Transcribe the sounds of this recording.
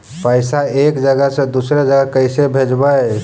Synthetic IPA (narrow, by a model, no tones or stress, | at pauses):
pəɪsaekd͡ʒəɡəɦsẽd̪usɾed͡ʒəɡəkəɪsebʱed͡ʒbə